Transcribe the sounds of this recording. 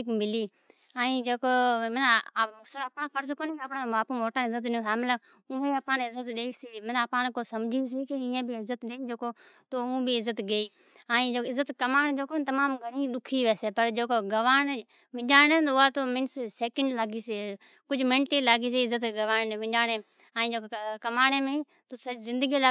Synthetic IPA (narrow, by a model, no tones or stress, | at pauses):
ɪkmɪliː | ɛ̃ĩd͡ʒoːkoːmənʊsəlɐpɳaːfʰəɾzkoːneːəpɽãːmaːpumoːʈənɪzət̪nũsaːmɪla | ʊːẽːɐpaːnɪzət̪ɗeːisiːmənapãːnkoːsɐmd͡ʒʱiːs̬iːkiɪ̃ẽbʱɪɪzət̪ɗeːiːd͡ʒoːko | t̪oːũːbɪɪzət̪ɡeiː | ãːĩd͡ʒoːɪzːət̪kəmaːnd͡ʒoːkoːt̪əmaːmɡʱəɽ̃ĩːɗʊkʰiʋeːseːpəɾd͡ʒoːkoːɡəʋaːn | ʋɪ̃d͡ʒaːneːʊaːt̪oːmɪnsseːkə̃ɳɖlaːɡiːse | kʊd͡ʒʱmɪ̃ɳʈeːlaːɡiːs̬eːɪzət̪ɡəʋaːnẽʋɪ̃d͡ʒaːɽeː | ãːĩd͡ʒoːkokɐmaːɽeːmẽi | t̪oːsizɪ̃nd̪əɡila